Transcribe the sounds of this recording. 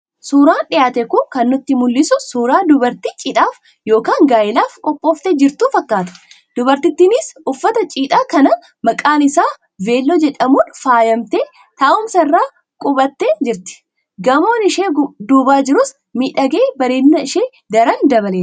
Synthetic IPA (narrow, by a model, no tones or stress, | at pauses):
suːɾaːnᶑɪjaːt̪ɛkʊŋkɐnːʊt̪ːɪmʊlːɪsʊsuːɾaːd̪ʊbɐɾt̪iːt͡ʃʼiːᶑ̪ʼaːf | jo̞ːkaːŋɡaːjɪlaːfkʼɔpʼːoːft̪ed͡ʒɪɾt̪uːfɐkːaːt̪ɐ̥ | d̪̥ʊbɐɾt̪ɪt̪ːɪnɪsʊfːɐt̪ɐt͡ʃʼiːt̪ʼaːkɐnɐ | mɐkʼaːnɪsaː | ve̞ːlːoːd͡ʒɛᶑɐmuːnfaːjɐmt̪eː | t̪aːʊmsɐɪrːaː | kʼʊbɐt̪ːeːd͡ʒɪɾt̪ɪ̥ | ɡɐmo̞ːnɪʃeːd̪uːbaːd͡ʒɪɾʊs | miːᶑɐɡeːbɐɾeːnːɐɪʃeː | d̪ɐɾɐnd̪ɐbɐleː